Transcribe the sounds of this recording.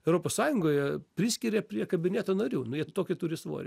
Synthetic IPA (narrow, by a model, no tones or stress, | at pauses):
ɛʊɾoːpoːssɑːjʊŋɡoːjɛpʲɾʲɪsʲkʲɪɾʲeːpʲɾʲiɛkɐbʲɪnʲeːt̪oːnɐɾʲuːnʊjiɛt̪oːkʲɪt̪ʊɾʲɪsʋo̰ːɾʲḛ